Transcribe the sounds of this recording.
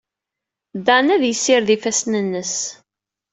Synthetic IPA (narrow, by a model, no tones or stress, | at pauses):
d̪ænæðjəsːɪɾðifæsnənːəs